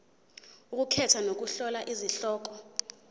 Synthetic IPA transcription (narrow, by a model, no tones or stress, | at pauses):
uk̬ukʰɛtʰwanok̬uɬɔlaʔiziɬɔːk̬ɔ